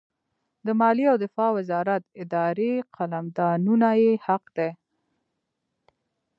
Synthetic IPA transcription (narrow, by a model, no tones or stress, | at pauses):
d̪əmɑliawd̪ɪfɑwɪzɑɾat̪ɪd̪ɑɾeqʰalamd̪ɑnunajehaqd̪e